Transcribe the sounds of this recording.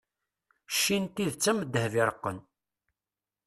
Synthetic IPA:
ʃːint̪iðt͡sːəməd̪ːəhvɪɾˤəqːə̰n

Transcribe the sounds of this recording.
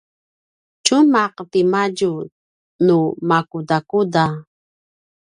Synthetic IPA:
t͡ʃumaqpimaɟu | numakudakuda

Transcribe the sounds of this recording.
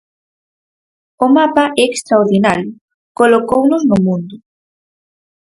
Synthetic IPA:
ʊmapaʔɛekst̪ɾaoɾðinaɾjʊ | kolokownʊznʊmũnd̪ʊ

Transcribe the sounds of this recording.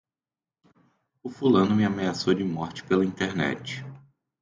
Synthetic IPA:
ʊfulɐ̃nʊmɪameasowd͡ʒɪmɔɾt͡ʃɪ̥pelɐĩnt̪eɾnɛ̰t͡ʃɪ̥

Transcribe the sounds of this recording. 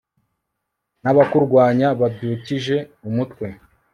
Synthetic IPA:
naβakuɾɡwaːɲaβabjuːciʒe̞umutkwe̞

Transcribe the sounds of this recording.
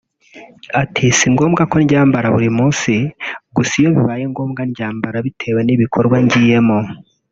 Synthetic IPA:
atʰisiŋɡo̞ːmɡako̞nɟaːmbaɾaβuɾimuːsiɡusijo̞βiβaːjeŋɡo̞ːmɡanɟaːmbaɾaβitʰe̞βaniβikʰoɾɡwaɲɟiːje̞mo

